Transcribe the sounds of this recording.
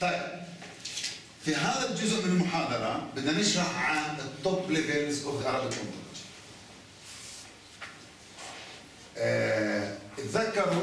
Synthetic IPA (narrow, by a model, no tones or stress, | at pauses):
t̪ˤɑjb | fiɦaːðald͡ʒʊzʊʔmɪnɪlmʊħaːd̪ɑɾˤɑbɪd̪ːnanɪʃɾɑħʕanɨt̪ˤːɨbːlɪveːɾzʔʊvʔalɪlʔʊnʊ̰t̪ | ʔɪt̪ðakːɑɾˤ